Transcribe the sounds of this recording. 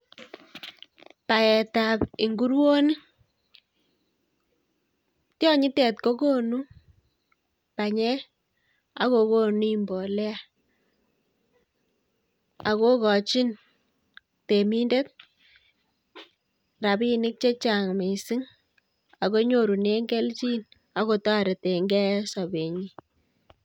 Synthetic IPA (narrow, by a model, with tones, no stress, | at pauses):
pa˨ɛ˨ta˨pi˨ŋɡu˦ɾwo˦ni˦ | tjɔ˦ɲi˦tɛ˨tko˦ko˦nu˦ | pa˨ɲɛ˦ | a̰˨˦ko˦ko˦ni˦mbɔ˨lɛ˦a˨ | a˨ko˦kɔ˨t͡ʃi˦n | te˨mi˦nde˦t̚ | ra˨bi˦nɪ˦k̚t͡ʃe˦t͡ʃa˨ŋme˨si˦ŋ | a˨ko˦ɲo˦˨ɾu˨ne˦ŋɡɛ˦lt͡ʃi˦n | a˦ko˧tɔ˦˨ɾe˨te˨ŋɡɛ˦sɔ˨be˨ɲi˦